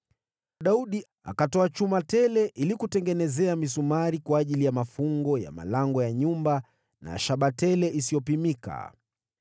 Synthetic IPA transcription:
ɗauɗi | a̰katɔat͡ʃumatɛlɛʔilikutɛŋɡɛnɛzɛamisumaɾikwaːʄilijamafuŋɡɔja̰ma̰laŋɡɔjaɲumba | na̰ʃaɓatɛlɛʔisijɔpimika̰

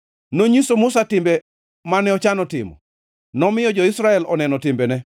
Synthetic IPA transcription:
noɲisomʊsatɪmbe | manɛɔt͡ʃanɔtɪmɔ̰ | nɔmɪjɔd͡ʒɔisɾaɛlɔnɛnɔtɪmbenɛ

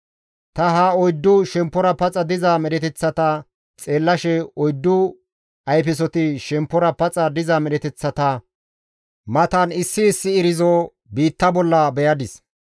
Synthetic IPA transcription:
t̪ɐɦaɔjd̪ːʊʃɛmpːɔɾɐpɐt͡sʼɐd̪ɪzɐmɛɗɛt̪ɛt͡sːɐt̪ɐ | t͡sʼeːlːɐʃɛɔjd̪ːʊ | ɐjpɪs̬ɔt̪ɪʃɛmpːɔɾɐpɐt͡sʼɐd̪ɪzɐmɛɗɛt̪ɛt͡sːɐt̪ɐ | mɐt̪ɐnɪsːɪːsːɪːɾɪzɔ | biːt̪ːɐbɔlːɐbɛjɐd̪ɪs

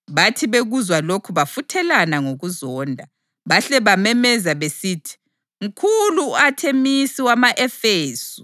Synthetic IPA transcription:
βatʰiβeɣuzwalokʰuβafutʰɛlanaŋoɣuzɔːndʱa | βaɬɛβamɛmɛzaβesiːtʰi̥ | ŋ̩kʰuluatʰemisiwamaʔɛfeːsu̥

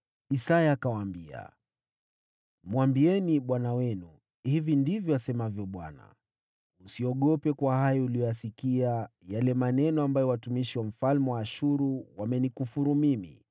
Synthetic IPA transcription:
isajaːkawaːmbia̰ | mwambiɛniɓwanawɛnu | hivindivjɔasɛmavjɔɓwa̰na̰ | usiɔɠɔpɛkwahajɔulijɔjasikiajalɛmanɛnɔambajɔwatumiʃiwam̩falmɛwaːʃuɾuwamɛnikufuɾumimḭ

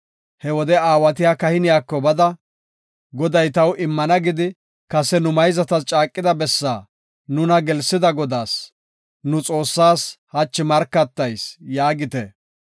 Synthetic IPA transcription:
hɛwɔd̪ɛaːwɐt̪̬ɪjaːkɐhɪnɪjaːkːɔbɐd̪ɐ | ɡɔd̪ɐjt̪ɐwʔɪmːɐnɐɡɪd̪ɪ | kɐsɛnʊmɐjzɐt̪ɐst͡ʃʼaːkʼːɪd̪ɐbɛsːa̰ː | nʊnɐɡɛlsːɪd̪ɐɡɔd̪aːs | nʊt͡sʼo̞ːsːaːshɐt͡ʃːɪmɐɾkːɐt̪ːɐjsjaːɡɪt̪ɛ

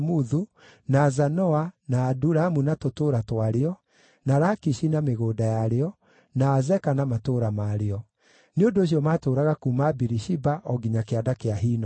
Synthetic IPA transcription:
muðu | nazanɔanaːduɾamunatotoːɾatwaɾeɔ | naɾakiʃinameɣoːdajaɾeɔ | naːzɛkanamatoːɾamaɾeɔ | neondoːɕ̬iɔmaːtoːɾaɣakumabiɾiʃibaʔɔɡiɲakeadakeaɦiːnɔ

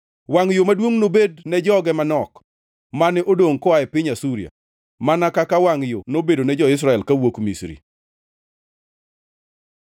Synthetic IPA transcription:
waŋjomadwoŋnobednɛd͡ʒɔɡɛmanɔk | manɪʔodoŋkɔaɛpɪɲasuɾia̰ | manakakawaŋjonobedonɛd͡ʒɔɪs̬ɾaɛlkawokmisɾḭ

